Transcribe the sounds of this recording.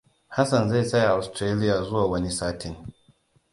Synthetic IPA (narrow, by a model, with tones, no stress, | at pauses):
ha˦sɐ˨nza˦˨sɐ˦ja˨ʔa˨stɾeː˦lɪ˦jaː˨zʊ˦waː˨wɐ˦ni˦saː˦tʰɪ˨ŋ